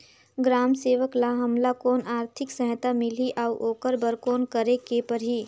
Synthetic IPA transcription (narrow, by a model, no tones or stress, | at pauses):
ɡɾaːmseːʋəklaɦəmlakoːnaːɾt̪ʰɪksə̃ɦt̪amɪliʔaʊʔoːkəɾbəɾkoːnkəɾekepəɾ̤i